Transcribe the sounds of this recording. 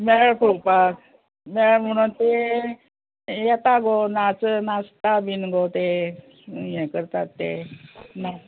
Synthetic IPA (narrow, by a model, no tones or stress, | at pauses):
mɛɭɭɭkʰupak | mɛɭɭm̤əɽ̃uːnt̪e | jɛt̪aɡonat͡snast̪abinɡot̪e | jɛ̃kəɾt̪at̪ːḛna